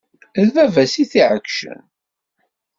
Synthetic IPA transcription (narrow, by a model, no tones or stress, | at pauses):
ðvævæsiθiʕəkːʃə̰n